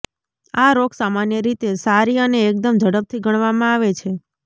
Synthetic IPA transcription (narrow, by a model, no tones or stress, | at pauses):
aɾokʰsamanjəɾit̪esaɾiəneːk̚d̪əmd͡ʒəɽəp̚t̪ʰiɡʱəɽ̃ʋamãaʋet͡ʃʰe